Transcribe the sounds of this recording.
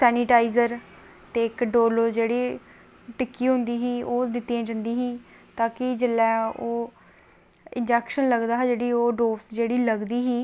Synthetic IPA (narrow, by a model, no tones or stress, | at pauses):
sɛːnɪʈaːizəɾ | t̪eːkɖoːloːd͡ʒeːɽiː | ʈɪkːiːɦʊ̃nd̪iːɦiːoːd̪ɪt̪ːiãːd͡ʒãnd̪iːɦĩː | t̪aːkɪd͡ʒɪlːɛːoː | ɪnd͡ʒɛːkʃənləɡd̪aːɦɛːd͡ʒeːɽiːoːɖoːsd͡ʒeːɽiːləɡd̪iːɦiː